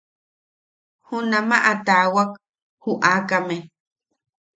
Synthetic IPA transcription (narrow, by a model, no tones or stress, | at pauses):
hunamaʔat̪awak | huʔaːkame